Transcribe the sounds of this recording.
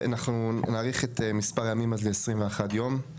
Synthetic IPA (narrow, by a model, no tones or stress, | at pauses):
anaχnunaːʁiχetemispaʁjamimazleesʁimveaχadjo̞m